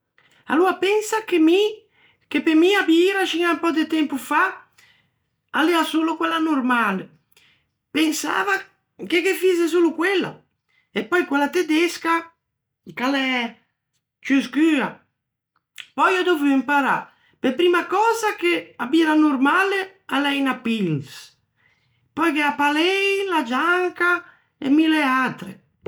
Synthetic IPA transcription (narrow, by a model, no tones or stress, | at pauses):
a̰luapɛnsakemi | kepemiabiiɾaʃiɲampɔd̪et̪ɛmpufa | aleasulokwɛlanurmale | pensa̰ːva | kekefizes̬ulukwɛlːa̰ | epɔjkwalat̪ed̪ɛska | kalɛ | t͡ʃyskyːa | pɔjad̪ovyimpaɾa̰ | pepɾiːmakɔːzakeabiːɾanurmale | alɛjnapːils | pɔjkeapalɛjlad͡ʒaŋka | ḛmileat̪ɾḛ